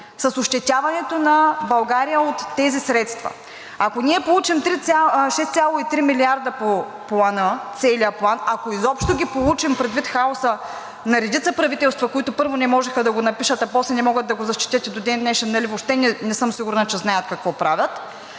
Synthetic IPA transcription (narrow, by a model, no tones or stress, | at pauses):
sɐsoʃt̪ɛt̪ʲavɐnɛt̪onɐbɐlˠɡaɾijəot̪ːɛzisɾɛt̪st̪vɐ̰ | ɐkoniɛpolˠut͡ʃimt̪ɾit̪ʲaʃɛst̪sʲalˠoit̪ɾimiliaɾd̪ɐpo | plˠanət̪sɛlijəplˠanɐkoizɔpʃt̪oɡʲipolˠut͡ʃimpɾɛd̪vit̪xaosə | nɐɾɛd̪it̪səpɾɐvit̪ɛlˠst̪vɐkoit̪ʊpɤɾvonɛmɔʒɛxɐd̪ɐɡonɐpiʃət̪ɐpɔslɛnɛmɔɡət̪ːɐɡozɐʃt̪i̥t̪ʲət̪ɛd̪od̪ɛnnɛʃɛnnɐlivopʃt̪ɛnɛnɛsɤmsiɡʊɾnɐt͡ʃɛznajət̪kɐkvɔpɾavʲət̪